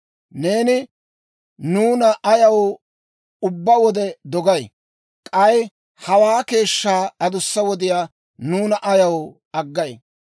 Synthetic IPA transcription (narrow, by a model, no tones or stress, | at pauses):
ne̞ːnɪ | nuːnɐʔɐjɐw | ʊbːɐwɔd̪ɛd̪ɔɡɐj | kʼɐj | hɐwaːke̞ːʃːaːɐd̪ʊsːɐwɔd̪ɪjaː | nuːnɐʔɐjɐw | ɐɡːɐj